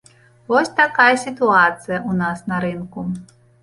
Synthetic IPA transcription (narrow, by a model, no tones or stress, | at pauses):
vɔsʲt̪akajɛsʲit̪uat̪sɨjɐʔunasnɐɾɨnku